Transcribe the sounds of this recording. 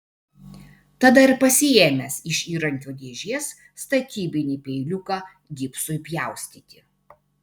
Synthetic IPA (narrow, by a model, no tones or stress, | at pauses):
t̪ɐd̪ɐɪɾpɐsʲɪeːmʲɛsɪʃʲiːɾɐŋʲkʲoːd̪ʲeːʒʲiɛsː | t̪ɐt̪ʲiːbʲɪnʲiːpʲɛɪlʲʊkɑː | ɡʲɪːpsʊɪpʲjæˑʊsʲt̪ʲiːt̪ʲɪ